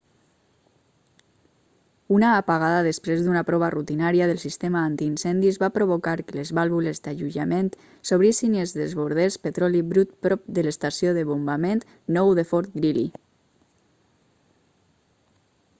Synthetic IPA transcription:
unaːpaɣaðaðəspɾezðunapɾɔβarut̪inaɾiaðəlˠsist̪emaant̪iːnsɛnd̪izβapɾoβokaɾkəlezβalˠβulezd̪aʒuʒament̪ | soβ̞ɾisinezðezβuɾð̞espət̪ɾɔliβɾut̪pɾɔp̚d̪ələst̪asioðəβombament̪ | nɔwðefɔɾt̪ɡɾili

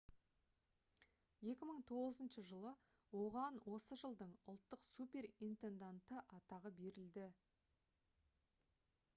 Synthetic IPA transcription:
je̞kʲɪməɴt̪ʰo̞ʁəzənʃəʒəlˠə | wo̞ʁɑnwʔo̞səʒəlˠd̪əɴʊ̰lˠt̪ːəqsupʲe̞rint̪e̞nd̪ant̪əʔɑt̪ɑʁəbe̞ɾɪld̪ɪ

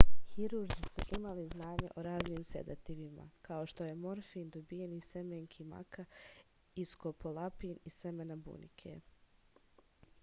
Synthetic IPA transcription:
hiɾuɾzisoʔimaliznaːɲḛʔo̞ɾaːzniːmsḛd̪at̪iʋima̰kaoʃt̪o̞je̞moɾfiːnd̪obijenisemeŋkʰima̰ka | iskopolˠapiːnisemenabṵnḭkʰḛ

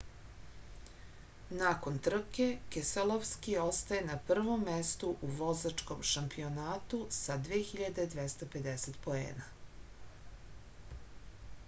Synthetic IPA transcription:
nako̞nt̪r̩kekeselˠoʋskio̞st̪aje̞napr̩ʋo̞mːest̪uʔuʋo̞zat͡ʂko̞mʃampio̞naːt̪usad̪ʋexiʎad̪e̞d̪ʋest̪ope̞d̪eset̪po̞ḛːna

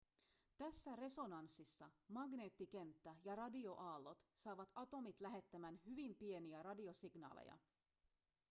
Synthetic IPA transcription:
t̪æsːære̞so̞nɑnsːisːɑmɑɡne̞ːt̪ːik̟e̞nt̪ːæjɑɾɑdio̞ʔɑːlːo̞t̪sɑːʋɑt̪ɑt̪o̞mit̪læɦe̞t̪ːæmænhyʋimpie̞niæɾɑdio̞siɡnɑ̰ːlḛjɑ̰

